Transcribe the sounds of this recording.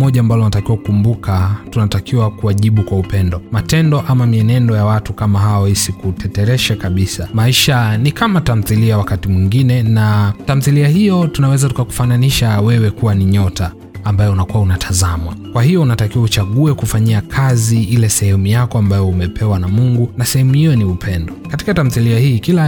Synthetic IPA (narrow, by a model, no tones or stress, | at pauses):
mɔʄaːmbalɔunatakiwakukumbukatunatakiwakuaʄiɓukwaupɛndɔmatɛndɔʔamamiɛnɛndɔjawatukamaɦaɔhisikutɛtɛɾɛʃakaɓisamaiʃanikamatam̩θiliawakatimwiŋɡinɛnatam̩θiliahijɔtunawɛzatukaku̥fananiʃawɛwɛkuwaniɲɔtaː | mbajɔunakuwaunatʰazamwakwahijɔunatakiwaut͡ʃaɠuɛkufaɲiakʰaziilɛsɛhɛmujakɔambajɔumɛpʰɛwanamuŋɡunasɛhɛmuhijɔniupʰɛndɔkati̥katam̩θiliahiːkila